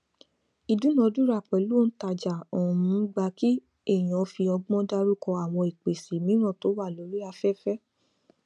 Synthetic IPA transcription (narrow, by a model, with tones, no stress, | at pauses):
i˨du˨˦nã˧˨˧du˦ɾa˦˨k͡pɛ˨˦lu˦˨n̩˦ta˧d͡ʒa˨ɔ˨ũ˧˦ɡ͡ba˧ki˦ | e˦˨j̃ɔ̃˨˦fi˧ɔ˧ɡ͡bɔ̃˦da˦ɾu˦kɔ˧a˨w̃ɔ̃˧i˨k͡pe˨si˨mĩ˨˦ɾ̃ã˦˨to˨˦wa˦˨lo˨˦ɾi˦a˧fɛ˦fɛ˦